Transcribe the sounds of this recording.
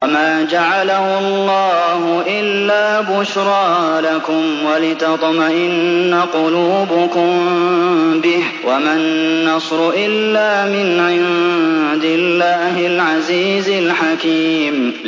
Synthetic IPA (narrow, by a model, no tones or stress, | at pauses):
maːd͡ʒaʕalahʊɑlˤːɑːhʊʔɪlːaːbʊʃɾˤɑːlakʊmwalɪt̪ɑt̪ˤmaʔɪnːaqʊluːbʊkʊm | bɪh | wamanːɑsɾʊʔɪlːaːmɪnʕɪnd̪ɪlːaːhɪlʕaziːzɪlħakiːm